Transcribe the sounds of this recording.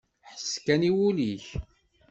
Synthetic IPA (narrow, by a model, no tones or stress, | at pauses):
ħə̥skæniwuliç